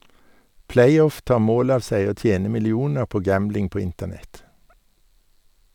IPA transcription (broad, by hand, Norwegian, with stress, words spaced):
ˈpleɪˌɔf ˈtɑːʁ ˈmoːl ˈɑːʋ ˈsæɪ ˈoː ˈtjeːnə mɪlɪˈuːnəʁ ˈpoː ˈɡæmblɪŋ ˈpoː ˈɪntəˌnɛt